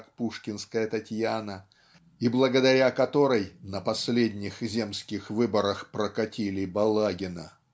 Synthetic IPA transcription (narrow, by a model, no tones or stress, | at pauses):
kpuʂkʲɪnskəjət̪ɐtʲjanə | iblˠəɡəd̪ɐɾʲakɐt̪o̞ɾəjnəpɐsʲlʲedʲnʲɪxzʲe̞mskʲɪxvɨbəɾəxpɾəkɐtʲilʲɪbɐlˠaɡʲɪnə